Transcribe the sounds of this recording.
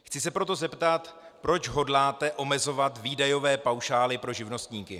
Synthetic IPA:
xt͡sɪsɛpɾo̞t̪o̞zɛpt̪at̪ | pɾo̞t͡ʃɦo̞dlaːt̪ɛʔo̞mɛzo̞vat̪viːdajo̞vɛːpawʃaːlɪpɾo̞ʒɪvno̞st̪ɲiːkɪ

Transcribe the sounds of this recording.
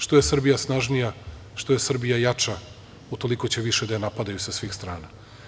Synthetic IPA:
ʃt̪o̞jesr̩bijasnaʒnija | ʃt̪o̞jesr̩bijajat͡ʂa | ut̪o̞liko̞t͡ɕe̞ʋiʃed̪ajanapad̪ajusasʋiːxst̪ɾaːna

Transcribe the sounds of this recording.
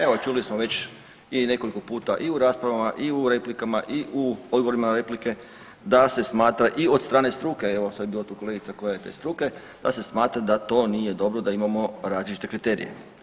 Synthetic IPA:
e̞ʋot͡ʃulismoʋe̞t͡ɕ | ine̞ko̞liko̞puːt̪aʔiuɾaːspɾaʋamaʔiuɾe̞plikamaʔiʔuod̪ɡoʋoɾimaɾe̞plike̞ | d̪ase̞smaːt̪ɾaʔiod̪st̪ɾaːnest̪ɾuːke̞eʋosʋabiːlat̪uːko̞leɡit̪sako̞jajet̪ḛːst̪ɾuːke̞ | d̪̥ase̞smaːt̪ɾad̪at̪o̞ːnije̞d̪o̞bɾod̪aimamo̞ɾaːzlit͡ʃit̪e̞kɾit̪e̞ːɾḭje̞̰

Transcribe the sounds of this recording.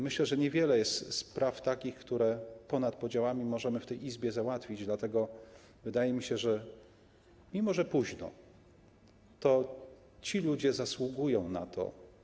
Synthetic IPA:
mɘɕlɛʐɛɲɛvʲjɛlɛjɛst̪spɾʔaft̪akʲixkt̪uɾɛpɔnat̪pɔd͡ʑawamʲimɔʐɛmɘft̪ɛjizbʲjɛzawat̪fʲid͡ʑd̪lat̪ɛɡɔ | vɘd̪ajɛmʲiɕɛʐɛ | mʲimɔʐɛpuʑnɔ̰ | t̪ɔ | t͡ɕilud͡ʑɛzaswuɡujɔ̃w̃nat̪ʰɔ̰

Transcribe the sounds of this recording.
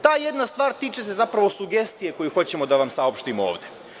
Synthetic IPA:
t̪aːje̞d̪nast̪ʋaːɾt̪iːt͡ʃe̞s̬e̞zapɾaʋosuɡe̞st̪ije̞ko̞jixo̞t͡ɕe̞mo̞d̪aʋamsaopʃt̪imooːʋd̪e̞

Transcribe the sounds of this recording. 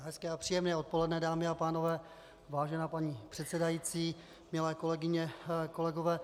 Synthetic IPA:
ɦɛskɛːapr̥iːjɛmnɛːo̞t̪̚po̞lɛdnɛdaːmɪapaːno̞vɛː | vaːʒɛnaːpaɲiːpr̥ɛt̪sɛdajiːt͡siː | mɪlɛːkolɛɡɪɲɛko̞lɛɡovɛː

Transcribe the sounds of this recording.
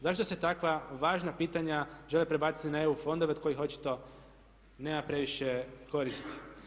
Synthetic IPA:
zaʃt̪ose̞t̪akʋaʋaːʒnapiːt̪aɲaʒe̞lepɾebaːt̪si̥t̪inae̞ufo̞nd̪o̞ʋeo̥kojixo̞t͡ʃi̥t̪o̞ | ne̞ːmapɾe̞ʋiʃeko̞ɾist̪i̥

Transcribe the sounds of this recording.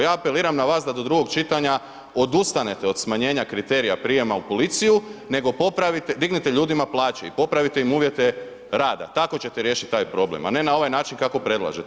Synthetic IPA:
jaːpe̞liːɾamnaʋaːsd̪ad̪o̞d̪ɾuɡo̞ɡt͡ʃit̪aɲa | o̞d̪ust̪ane̞t̪eo̞d̪smaɲe̞ːɲakɾit̪e̞ːɾijapɾiːje̞maupo̞lit̪sijune̞ɡo̞po̞pɾaʋit̪ed̪iɡnit̪eʎuːd̪imaplˠaːt͡ʃeipo̞pɾaʋit̪e̞imuːʋje̞t̪e̞ | ɾaːd̪a̰t̪ako̞t͡ɕe̞t̪eɾje̞ːʃit̪̚ʲt̪ːaːjpɾo̞blḛma̰ne̞nao̞ʋajnaːt͡ʃinkako̞pɾe̞dlˠa̰ʒet̪

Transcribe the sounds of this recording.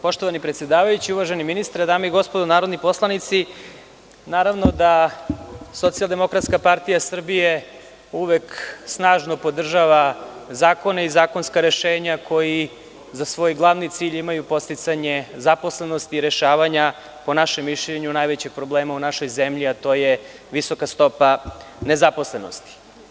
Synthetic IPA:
po̞ʃt̪oʋanipɾet̪sjed̪aːʋajut͡ɕiuʋaʒeniminist̪ɾad̪aːmeiɡo̞spod̪onaːɾo̞d̪nipo̞slˠanit̪si | naːɾaʋno̞d̪a | so̞t̪sijalˠd̪e̞mo̞kɾat̪skapaɾt̪ijasr̩bije̞ | uʋeksnaːʒno̞po̞d̪r̩ʒaʋazaːko̞neizaːko̞nskaɾe̞ʃeːɲakʰo̞ji | zasʋo̞jɡlˠaʋnit̪siːʎimajupo̞st̪it̪saɲe̞zapo̞sleno̞st̪iːɾeʃaːʋaɲa | po̞naʃemːiʃʎeɲunajʋet͡ɕeɡ̚pɾo̞bleːmaunaʃo̞jzemʎiat̪o̞ːje | ʋiso̞kast̪o̞pa | nezapo̞sleno̞̰st̪i̥

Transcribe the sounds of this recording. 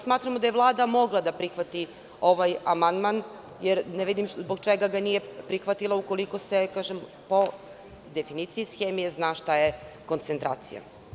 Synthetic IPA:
smaːt̪ɾamod̪aje̞ʋlˠaːd̪amo̞ɡlˠad̪apɾixʋat̪i | o̞ʋajamand̪man | jeɾneʋid̪imzboɡt͡ʃeɡaɡanije̞pɾixʋat̪ilˠauko̞liko̞sekaːʒem | po̞ | d̪efiniːt̪sijisxeːmijeznaʃt̪ajeko̞nt̪sent̪ɾa̰ːt̪sḭja̰

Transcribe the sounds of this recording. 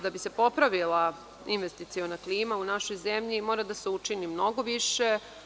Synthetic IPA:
d̪abise̞po̞pɾaʋilˠa | inʋe̞st̪it̪sionakliːmaunaʃo̞jze̞mʎimo̞ːɾad̪aseut͡ʃinimno̞ɡo̞ʋiʃe̞

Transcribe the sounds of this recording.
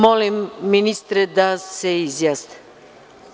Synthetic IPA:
mɔlimːinist̪ɾɛd̪asɛizjast̪ə̥

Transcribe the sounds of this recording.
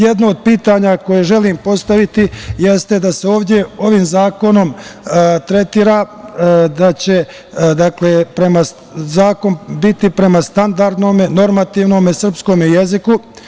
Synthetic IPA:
je̞d̪nood̪̚piːt̪aːɲako̞jeʒe̞limpo̞st̪aʋit̪ije̞st̪e̞d̪ase̞o̞ːʋd̪je̞o̞ʋiːmzaːko̞no̞m | t̪ɾe̞t̪iːɾa | d̪at͡ɕe̞ | d̪aklepɾe̞ma | zaːko̞nbit̪ipɾe̞mast̪and̪aɾd̪no̞ːmeno̞ɾmat̪iːʋno̞ːmesr̩psko̞ːmeje̞ziku

